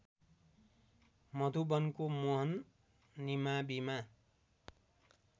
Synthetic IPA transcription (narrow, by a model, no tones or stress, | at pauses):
mʌd̪ʱubʌnkomoɦʌnː | imabima